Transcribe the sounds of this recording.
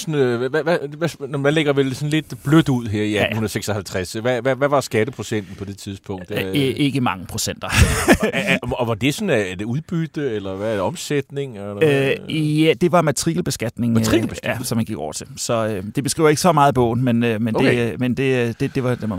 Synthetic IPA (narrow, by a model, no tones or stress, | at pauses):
sɔnʋæʋæʋænmæleɡ̥ɐʋelsɔ̽n̩le̝d̥b̥lød̥uð̞̰ˠɦeɐ̰iæhunðˠseɡ̥sɒhælt͡sʰʁɛsʋæʋæʋæʋɑ̈sɡ̥æd̥əpʰʁo̝sen̰d̥n̩pʰɒ̽d̥e̝t͡sʰiðˠsb̥ʰɔ̽ŋŋ̰d̥ʔe̝ɡ̥əmɑ̈ŋəpʰʁo̝̥sen̰d̥ɐ | ɒʋɑ̈d̥e̝sɔ̽næd̥uðˠb̥yd̥əelɐʋæɒ̽msed̥ne̝ŋlɐjæd̥e̝ʋɑ̈mæt͡sʰʁḭɡl̩b̥e̝sɡ̥æd̥ne̝ŋʁib̥eɡæsɒ̽mænɡiɡ̥ɒʊ̰ɐt͡sʰe̝lsɒ̽ød̥e̝b̥esɡʁḭːʊɐe̝ɡ̥əsɒ̽mɑ̈ːð̞̩ˠb̥ɔ̰̽ːn̩menømen̥emend̥e̝d̥e̝d̥e̝ʋɑd̥em